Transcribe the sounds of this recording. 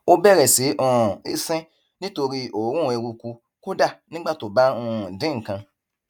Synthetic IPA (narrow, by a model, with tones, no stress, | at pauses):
o˧bɛ˦˨ɾɛ˨se˨˦ʔɔ̃˨e˦sɛ̃˦ | nĩ˦to˧ɾi˦o˨ɾũ˦˨e˧ɾu˧ku˧ | ko˦da˦˨nĩ˦ɡ͡ba˦˨to˨ba˦ɔ̃˧˨dĩ˦ŋ̩˨kã˧